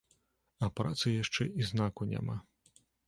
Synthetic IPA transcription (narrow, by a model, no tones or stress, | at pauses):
ɐpɾat̪sɨjaʂt͡ʂɛʔiznakunʲɛ̰ma̰